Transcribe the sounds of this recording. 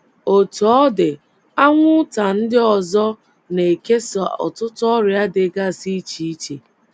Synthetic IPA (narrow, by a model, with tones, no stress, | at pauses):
o˨tɔ˦dɪ˨ | a˦ŋʷʊ˦ta˨n̩˦dɪ˦ɔ˨zɔ˦ | ne˨e˨ke˦sɔ̰˨tʊ˦tʊ˦ɔ˦ɾja˦dɪ˨ɡa˦˨si˦t͡ʃi˦i˦t͡ʃe˨